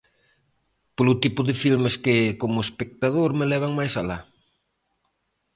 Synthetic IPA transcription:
polʊt̪ipʊðɪfilmeskɪkomʊespek̚t̪að̞oɾmelɛβ̞aŋmajsala

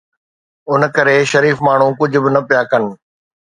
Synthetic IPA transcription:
ʊnkɐɾeːʃɐɾiːfmaːɳ̤ũkʊd͡ʑʱʊ̆bɪnɐpijaːkɐn̆

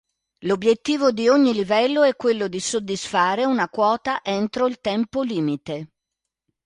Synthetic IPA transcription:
lobːjet̪ːiːvod̪ioɲːilivɛlːoɛkːwelːod̪isod̪ːisfaːɾeunakwɔːt̪aʔent̪ɾoilt̪ɛmpoliːmit̪e

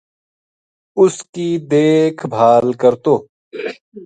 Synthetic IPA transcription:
ʊskid̪eːkʰbʱaːlkɐɾt̪oː

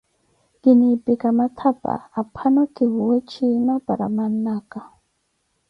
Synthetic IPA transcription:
kinipikamat̪ʰapa̰ːpʰanokiwwet͡ʃinapaɾamanːaka

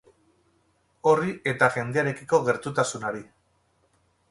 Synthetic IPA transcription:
o̞riʔe̞t̪aʝe̞nd̪eaɾe̞kiko̞ɣe̞ɾt̪ut̪asunaɾi

